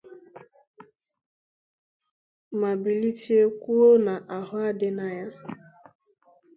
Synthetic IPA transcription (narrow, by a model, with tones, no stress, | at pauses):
ma˨bi˨li˦ti˦e˦kʷu˦o˦na˨ʔa˨ɦʊ˦a˦dɪ˦na˦ja˦